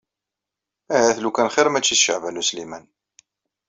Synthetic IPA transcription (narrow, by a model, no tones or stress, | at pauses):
æɦæθlukænχeɾmæt͡ʃːiθʃə̰ʕvænuslimæn